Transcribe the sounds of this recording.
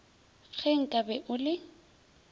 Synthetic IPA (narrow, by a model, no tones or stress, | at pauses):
ɣʰɛŋ̩kʼabɛʔʊlɪ